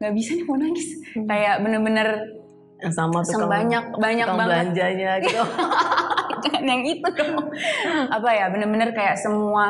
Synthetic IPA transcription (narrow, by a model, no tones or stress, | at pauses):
ŋɡaʔbisaniponaɡɪskajaʔbənərbənər | samat̪usabaɲak̚baɲakbablaɲd͡ʒaɲat̪u | anjaŋit̪ud̪a | apajabənərbənərkajaʔsəmua